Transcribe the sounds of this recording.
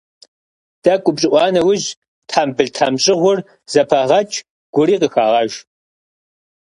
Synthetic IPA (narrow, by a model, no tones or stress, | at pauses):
d̥ɐkʷʼʊpɕʼɪʔʷɑːnɐwʊʑ | tʰaːmbɨɮtʰamɕʼɪʁʷʊr | z̥ɐpʰɐʁɐt͡ʃʼ | ɡ̥ʷʊɾiːqəxaːʁɐʒ